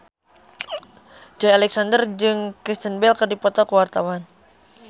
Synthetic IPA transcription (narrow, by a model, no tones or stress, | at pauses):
d͡ʒɔjalɛksandərd͡ʒɨŋkɾist̪ənbɛlkərdipɔt̪ɔkəwart̪awan